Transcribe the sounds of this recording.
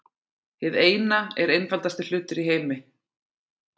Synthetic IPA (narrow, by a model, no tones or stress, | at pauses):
hɪðeːjnaɛɾejnfalt̪ast̪ɪl̥ʏːt̪ʏɾiɦeːjmɪ